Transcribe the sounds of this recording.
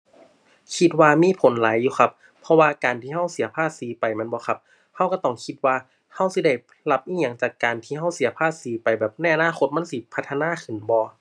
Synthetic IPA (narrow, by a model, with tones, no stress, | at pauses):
kʰi˧t̪̚waː˧miː˧˥˨pʰo˨˦nlaː˨˦jːuː˧xʰa˧p̚ʰː | ɔ˧waː˧kaː˨˩nt̪ʰiː˧˩ɦa˧˥˩wsi˨˩˦ɐpʰaː˧˩t̪̚siː˨˦pa˨jma˧˥˨nbɔː˧˦kʰa˧˥p̚ | ha˧˥˩wka˧˩t̪ɔ˧˩ŋkʰi˧˥t̪̚waː˧ | ha˧˥˩wsi˧˦da˧˩j | la˧˩p̚ʔiː˧˥˨ɲa˨˩˦ŋt͡ɕaː˨˩kːaː˨˩nt̪ʰiː˧ɦa˧˥˩wsi˨˩˦ɐpʰaː˧˩t̪̚siː˨˦pa˨jbɛː˨˩p̚na˧jʔa˧naː˧˥˨xʰo˧t̪̚ma˧˥˨nsi˧˦pʰa˧t̪ʰːa˧naː˧˥˨kʰɯ˨˩nbɔː˧˦